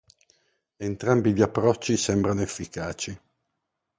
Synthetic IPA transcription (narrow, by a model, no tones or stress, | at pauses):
ent̪ɾambiʎiapːɾɔt͡ʃːisɛmbɾanoefːikaːt͡ʃi